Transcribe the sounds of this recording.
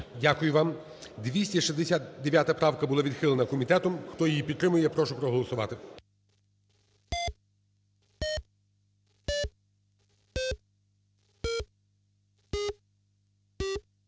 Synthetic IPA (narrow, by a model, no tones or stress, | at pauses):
dʲakʊjʊʋɑm | d̪ʋʲisʲtʲɐʃizd̪esʲat̪d̪eʋʲjat̪ɐpɾɑwkɐbʊlˠaʋʲid̪xɪlˠenɐkɔmʲit̪ɛt̪ɔmxt̪ɔjɛjipʲit̪t̪ːɾɪmʊjɛpɾɔʃʊpɾɔɦɔlˠɔsʊʋɑ̰t̪ɪ